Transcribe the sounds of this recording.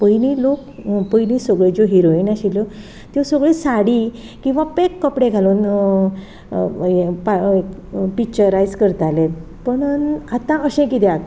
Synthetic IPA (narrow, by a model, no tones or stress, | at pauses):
pəjnilokpəjnisəɡɭed͡zoɦiɾoinaɕilɔ | t̪josəɡɭesaɽi | kĩw̃ʋãpekːəpɽeɡʱaluːn | paekpik̚t͡ɕəɾajd͡zkəɾt̪ale | pəɳat̪ãʔəɕɛ̃kit̪ɛat̪